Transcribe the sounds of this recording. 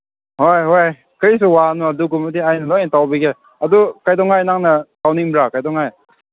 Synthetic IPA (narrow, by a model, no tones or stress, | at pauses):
hojɦoj | kʰɯɾis̬uwanɔaduɡumadiajnɐlɔjntawbiɡe | adukajdɔŋajnaŋnatawniŋmɾakajdɔŋaj